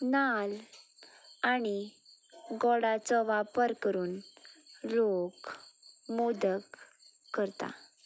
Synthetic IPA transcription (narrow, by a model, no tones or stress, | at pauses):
nal | añi | ɡɔɽat͡sɔʋapəɾkəɾuːn | lok | mud̪əkː | əɾt̪a̰